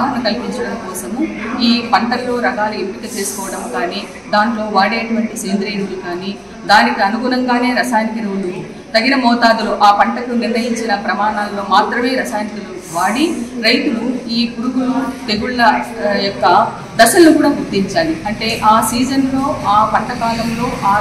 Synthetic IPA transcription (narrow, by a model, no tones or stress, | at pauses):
ɦɐnɐkɐlipiɲt͡ʃɐɽɐmkɔːsɐmuiːpɐɳʈɐlːo̞ːɾɐɡaːlue̞mpikɐt͡ʃe̞ːsu̥kɔːʋɐɽɐmkaːniː | d̪aːnlo̞ːʋaːɽeːɐʈuʋɐɳʈiseːnd̪ɾeːjɽud̪ikaːni | d̪aːnikiɐnuɡunɐŋɡaːne̞ːɾɐsaːjnikɐɾɐlu | t̪ɐɡinɐmɔːt̪aːd̪uluʔaːpɐɳʈɐkuniɾʋɐjiɲt͡ʃinɐpɾɐmaːɳaːlːo̞ːmaːt̪ɾɐme̞ːɾɐsaːjnikɐlu | ʋaːɽiɾɐjt̪uluiːkuɾuɡulut̪e̞ɡuɭːɐjɔkːɐ | d̪ɐʃɐlːukuːɽaːɡuɾt̪ːiɲt͡ʃaːliɐɳʈe̞ːʔaːsiːd͡ʒɐnlo̞ːaːpɐɳʈɐkaːd̪ɐmlo̞ːʔaː